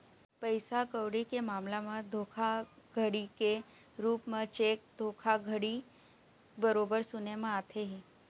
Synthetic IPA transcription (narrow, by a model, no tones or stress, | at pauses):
pəɪsakəwɽikemaːmlamə̃d̪ʱoːkʰaɡʱəɽike | ɾuːpmə̃t͡ʃeːk̚d̪ʱoːkʰaɡʱəɽi | bəɾoːbəɾsʊnemãaːt̪ʰeɦi